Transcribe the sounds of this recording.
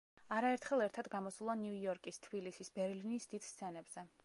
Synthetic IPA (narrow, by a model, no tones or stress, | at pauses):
aɾaɛɾt̪ʰχɛlˠɛɾt̪ʰad̪ɡamɔsulˠanjujɔɾkʼist̪ʰb̥ilisisbɛɾlinisd̪id̪̥st̪sʰɛnɛbz̥ɛ